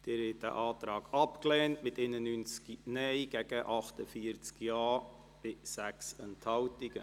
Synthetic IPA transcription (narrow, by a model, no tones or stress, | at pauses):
d̥ɪɾhɛt̚d̥æ̰ʔɑːt̪ɾɑːɡ̥ɑpklɛːntmɪtɛnənynt͡skinɛjɡ̥ɛɡ̥əʔɑχtəfiəɾt͡skiɑː | b̥ɪsæksɛnthɑwtiɡ̥ə